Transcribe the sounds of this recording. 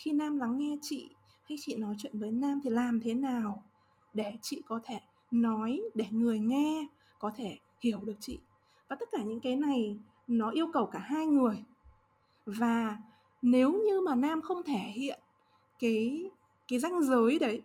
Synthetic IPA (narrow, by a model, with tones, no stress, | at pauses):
xi˧naː˧mla˨˦ŋːɛ˧t͡ɕḭ˧˨ | ha˧jt͡ɕḭ˧˨nɔ˨˦jt͡ɕwḭ˧˨nvəː˨˦jnaː˧mt̪ʰi˨˩laː˨˩mt̪ʰe˨˦naː˨˩w | ɗe˧˩t͡ɕḭ˧˨kɔ˨˦t̪ʰe˧˩ | nɔ˨˦jɗe˧˩ŋɨ˨˩əjŋɛ˧ | kɔ˨˦t̪ʰe˧˩ | hi˧˩əwɗɨ˨˩ək̚t͡ɕḭ˧˨ | vaː˨˩t̪ə˦˥t̚kaː˧˩ɲɨ̰˧˥ŋkaː˨˦jna˨˩j | nɔ˨˦ʔi˧əwkə˨˩wkaː˧˩ɦaː˧jŋɨ˨˩əj | vaː˨˩ | ne˨˦wɲɨ˧maː˨˩naː˧mxə˧wŋ͡mt̪ʰe˧˩hḭ˧˨ən | kaː˨˦j | kaː˨˦jza˧jŋ̟zəː˨˦jɗə˨˦j